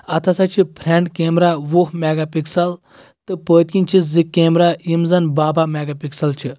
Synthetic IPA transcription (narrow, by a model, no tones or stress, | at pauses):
ɐt̪ʰɐsat͡ʃʰipʰɾẽɳɖkemɾaʋuɦmɛɡapiksɐl | t̪ɨpəːt̪ĩnt͡ʃʰisd͡zikemɾaimzɐnbabʱamɛɡapiksɐlt͡ʃʰi